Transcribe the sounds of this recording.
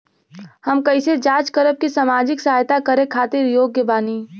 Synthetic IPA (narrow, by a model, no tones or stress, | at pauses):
həmkəɪsed͡ʒaːt͡ʃkəɾəb̚kisaːmaːd͡ʒɪksaɦajt̪akəɾekʰaːt̪ɪɾjoːɡːebaːni